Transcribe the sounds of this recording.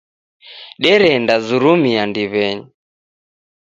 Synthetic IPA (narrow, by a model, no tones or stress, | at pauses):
ɗɛɾɛndazuɾumiandiβɛɲi